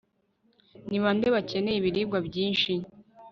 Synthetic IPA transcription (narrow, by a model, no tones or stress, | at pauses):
niβande̞βace̞ne̞jiβiɾiːbɡwabɟiːnʃi